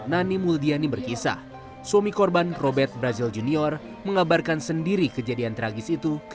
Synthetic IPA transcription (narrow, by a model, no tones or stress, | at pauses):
nanimuldianibərkisa̰h | somikɔrbanrobɛrt̪̚bəɾazild͡ʒuniɔr | məŋabarkansəndiɾikəd͡ʒadiant̪əɾaɡɪsit̪uk